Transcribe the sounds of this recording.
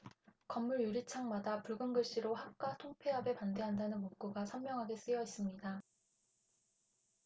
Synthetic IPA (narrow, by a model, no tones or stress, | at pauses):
kʌmːuɭjuɾit͡ɕʰaŋmadapuɭɡɯnɡɯɭɕ͈iɾoɦap̚k͈watʰoŋpʰeɦabe̞pande̞ɦandanɯnmok̚k͈uɡasʰʌmːjʌŋɦaɡe̞s͈ɯjʌis͈ɯmɲida